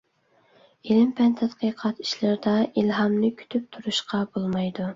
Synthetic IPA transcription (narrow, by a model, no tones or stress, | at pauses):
elɪmpʰɛnt̪ʰɛt̪qəqʰɑt̪i̥ʃlɪɾɪd̪ɑilɦɑmnɨkʲʰy̥t̪ʰyp̚t̪ʰuɾuʃqɑbolˠmɑjd̪u